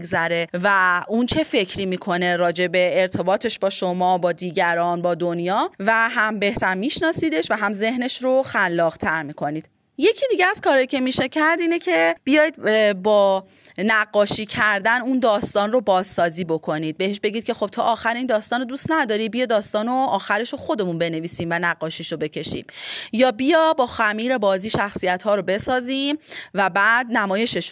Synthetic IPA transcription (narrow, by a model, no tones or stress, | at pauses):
ɡzæɾe̞væunt͡ʃʰe̞fe̞cʰɾiːmiːkʰo̞ne̞ɾɒːd͡ʒe̞beːɾt̪ʰe̞bɒːt̪ʰe̞ʃbɒːʃo̞mɒːbɒːd̪iːɟæɾɒːnbɒːd̪onjɒːvæɦæmbe̞ht̪ʰæɾmiːʃnɒːsiːd̪e̞ʃvæɦæmze̞hne̞ʃɾoxælːɒːɣ̥t̪ʰæɾmiːkʰo̞niːd̪̥ | je̞cʰiːd̪iːɟeæz̥kʰɒːɾɒjicʰe̞miːʃe̞cʰæɾd̪iːnecʰe̞b̥ijɒːjd̪̚bɒː | næɡːɒːʃiːcʰæɾd̪ænund̪ɒːst̪ɒːnro̞bɒːzsɒːziːbo̞kʰo̞niːd̪̚be̞ɦeʃbe̞ɟiːd̪̚cʰe̞xo̞b̥̚t̪ʰɒːʔːxæɾeiːnd̪ɒːst̪ɒːnod̪ust̪næd̪ɒːɾibijɒd̪ɒːst̪ɒːnoɒːxæɾe̞ʃoxo̞d̪e̞munbe̞ne̞viːsiːmvænæɢːɒːʃiːʃobe̞cʰe̞ʃḭːm̥jɒːbijɒːbɒːxæmiːɾe̞bɒːziːʃæxsijæt̪hɒːɾo̞be̞sɒːziːmvæbæːd̪̚næmɒːjeʃe̞ʃ